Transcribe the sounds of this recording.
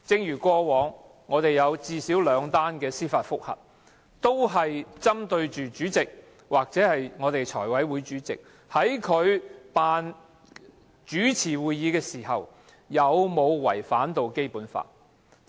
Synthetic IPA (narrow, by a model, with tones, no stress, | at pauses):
t͡sɪ˧ŋjyː˨˩kɔː˧wɔː˨˧ŋː | ɔː˨˧t̪e˨jɐ˨˧wt͡siː˧siː˨˥wlœː˨˧˥ŋt̪aː˥nkɛː˧siː˥faː˧t̚fʊ˥k̚hɐ̰˨t̚ | t̪o˥wɦɐ˨jt͡sɐ˥mt̪ɵ˧ɥt͡ʃyː˨t͡ʃyː˨˥t͡sɪ˨k̚ | waː˨k̚t͡sɛː˨˥hɐ˨jŋɔː˨˧t̪e˨jt͡ʃʰɔː˨˩jwɐ˨˥jwuː˨˧jt͡ʃyː˨˥t͡sɪ̰˨k̚ | hɐ˨˥jkʰɵ˨˧ɥpaː˨n | t͡ʃyː˨˥t͡sʰiː˨˩wuː˨jːiː˨˧kɛː˧siː˨˩ɦɐ̰˨w | jɐ˨˧wmo˨˧wwɐ˨˩jfaː˨˥nt̪o˨wke˥jpuː˨˥nfa̰ː˧t̚